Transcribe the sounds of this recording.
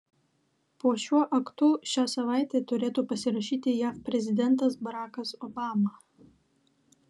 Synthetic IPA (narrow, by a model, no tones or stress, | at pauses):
puɔʃʲuɔʔɐkt̪ʊːʃʲæːsɐʋɑˑɪt̪ʲeːt̪ʊɾʲeːt̪uːpɐsʲɪɾɐʃʲiːt̪ʲɪjæːfpʲɾʲɛzʲɪd̪ʲɛnt̪ɐsbɐɾɑːkɐsɔbɑːmɑ